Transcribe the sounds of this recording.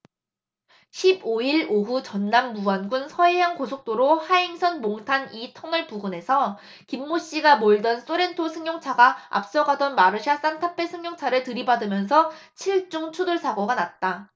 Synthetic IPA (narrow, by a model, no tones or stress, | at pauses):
ɕʰiboiɭoɦut͡ɕʌnːamːuanɡunsʰʌeɦankosʰok̚t͈oɾohaiŋsʰʌnmoŋtʰanitʰʌŋɯɭpuɡune̞sʰʌ | kimːoɕ͈iɡamoiɭdʌns͈oɾe̞ntʰosʰɯŋɲjoŋt͡ɕʰaɡaa̰p̚s͈ʌɡadʌnmaɾɯɕʰas͈antʰapʰe̞sʰɯŋɲjoŋt͡ɕʰaɾɯɭtɯɾibadɯmjʌnsʰʌt͡ɕʰiɭt͡ɕ͈uŋt͡ɕʰudoɭsʰaɡoɡanat̚t͈a